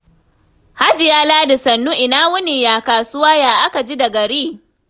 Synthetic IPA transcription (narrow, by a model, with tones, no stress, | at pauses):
ha˦d͡ʒɪ˨jaː˦laː˦dɪ˨sɐ˨nːu˦ʔɪ˨naː˦wʊ˦ni˨jaː˨kaː˨sʊ˦waː˦jaː˨ʔa˦ka˨d͡ʒi˦da˨ɡɐ˨ɾiː˦